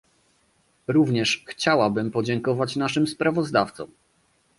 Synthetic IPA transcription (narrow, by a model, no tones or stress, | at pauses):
ɾuvɲɛʂxt͡ɕawabɘmpɔd͡ʑɛŋkɔvat͡ɕnaʂɘmspɾavɔzd̪aft̪sɔ̰̃m